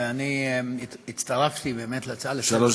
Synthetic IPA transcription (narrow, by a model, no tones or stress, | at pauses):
eani | it͡st̪aʁaft̪ibe̞ːmet̪lat͡saleʃaloʃ